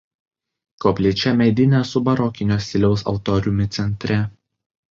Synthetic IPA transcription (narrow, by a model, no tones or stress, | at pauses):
koːpʲlʲeːt͡ʃʲɛmʲɛɪd̪ʲɪnʲɛsʊbɐɾɔkʲɪnʲoːsʲɪlʲɛʊsɐ̰ʊt̪ɔːɾʲʊmʲɪt̪sʲɛnʲt̪ʲɾʲɛ